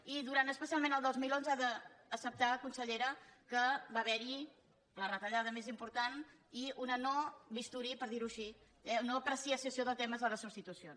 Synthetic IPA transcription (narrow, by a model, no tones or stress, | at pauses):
iðuɾant̪əspəsialˠmẽnəlˠd̪ozmilˠonzaðəːsəp̚t̪aəkunsəʎeɾəkəbaβɛɾi | lərət̪əʎað̞əmezimpuɾt̪aniunənobist̪uɾipəɾðiɾuʃi | ɛunoəpɾəsiəsəsioðət̪ɛməzðələsubst̪it̪usions